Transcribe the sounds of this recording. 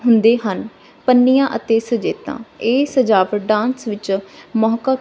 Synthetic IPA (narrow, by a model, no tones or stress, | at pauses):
ɦʊnd̪eːɦən | pənːijãːʔət̪eːsəd͡ʒeːt̪ã̰ːeːsəd͡ʒaːʋəɖãːnsʋɪt͡ʃmɔːka